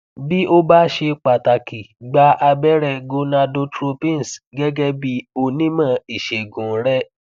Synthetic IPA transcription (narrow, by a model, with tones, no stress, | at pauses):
bi˦ʔo˦ba˦ʃe˧k͡pa˨ta˨ki˨ɡ͡ba˧˦a˧bɛ˦ɾɛ˧ɡo˧na˧do˧tɾo˧pĩ˦n˨sɡɛ˦ɡɛ˦bi˦o˦nĩ˦mã˦˨i˨ʃe˨ɡũ˨ɾɛ˦